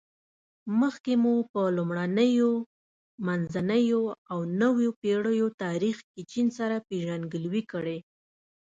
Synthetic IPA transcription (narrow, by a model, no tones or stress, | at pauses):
məxkemupəlumɽanəjo | manzanəjoawnəwjopeɽəjot̪ɑɾixkit͡ʃinsaɾapeʒanɡəlwikəɽe